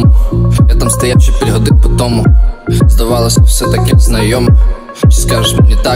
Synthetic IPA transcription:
jat̪amst̪ɐjawʃɪpʲɾʲiɦɔd̪ɪpɔt̪ɔmʊzd̪ɐʋɑlˠɐsʲɐwsɛt̪ɐkɪznɐjɔmɪ | skaʒɪʃmɪnʲɪt̪a

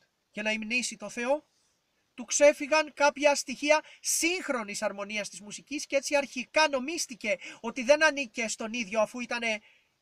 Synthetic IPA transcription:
ʝɐnɐimnisit̪o̞θe̞o̞ | t̪ukse̞fiɣɐŋkɐpçɐst̪içiɐsiŋxɾo̞nisɐɾmo̞niɐst̪izmusiciscee̞t͡siɐɾçikɐno̞mist̪ice̞o̞t̪iðe̞nɐnice̞st̪o̞niðʝo̞ɐfuit̪ɐne̞

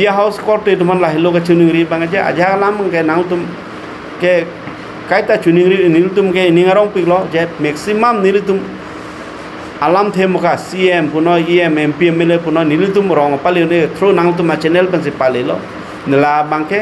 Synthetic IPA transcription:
biaɦawskɔɾtetumanlaɦɪlokat͡ʃuniŋɾibaŋad͡ʒɛa̰d͡ʒaalamaŋkɛnaŋlt̪um | kɛ | kajtat͡ʃuniŋɾinilut̪̬umkɛiniŋaɾɔŋpiklɔd͡ʒɛmɛksimamnilit̪um | alamt̪ʰemʊkasiɛmpunɔiɛmɛmpiɛmelepunɔnilit̪umɾɔŋɔpalionet̪ʰɾonaŋt̪̬umat͡ʃɛnɛlpɪns̬ɪpalelɔ̰ | nɪlabaŋkɛ

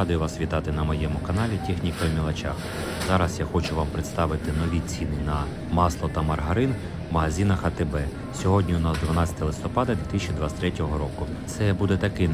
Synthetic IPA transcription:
ɑd̪ʊjʊʋɑsʋʲit̪ɑt̪ɪnɐmɔjɛmʊkɐnɑlʲitʲixnʲikɔmʲilˠɐt͡ʃa̰x | zɑɾɐsjaxɔt͡ʃʊʋɑmpɾeɪt̪st̪ɑʋɪt̪ɪnɔʋʲit͡sʲinɪnɐ | mɑslˠɔt̪ɐmɐrɦɐɾɪn | mɐɦɐzʲinɐxɐt̪ɪbɛ | sʲɔɦɔdʲnʲiʊnɑzd̪ʋɐnɑt͡sʲɐ̥t̪ɐlˠɪst̪ɔpɑd̪ɐd̪ʲʋʲit̪ɪsʲt͡ʃʲid̪ʋasʲt̪ɾɛtʲɔɦɔɾɔkʊ | t̪sɛbud̪ɛt̪ɐkɪ

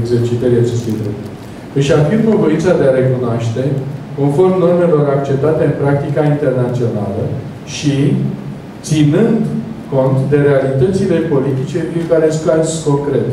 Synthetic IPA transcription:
ɡze̞rt͡ʃit̪əɾiat͡ʃe̞st̪ujd̪ɾep̪urʲ | ɨʃafimfəvointsad̪e̞aɾe̞kunoaʃt̪e̞ko̞nfo̞rmno̞rme̞lo̞ɾakt͡ʃe̞p̚t̪at̪e̞ɨnpɾak̚t̪ikaint̪e̞rnat̪sio̞nalə | ʃi | t̪sinɨnd̪ko̞nt̪d̪e̞ɾe̞alit̪ət̪sile̞po̞lit̪it͡ʃe̞pɾiŋkaɾeskasko̞ŋkɾe̞t̪

